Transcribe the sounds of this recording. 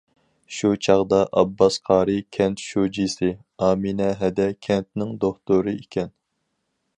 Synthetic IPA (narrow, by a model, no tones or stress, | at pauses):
ʃut͡ʃʰɑʁd̪ɑʔɑbːɑsqʰɑːɾɨkʲʰɛnt̪ʃod͡ʒisɪ | ɑːminɛɦɛd̪ɛkʲʰɛnt̪nɪŋd̪oχt̪oɾɨikʲʰɛn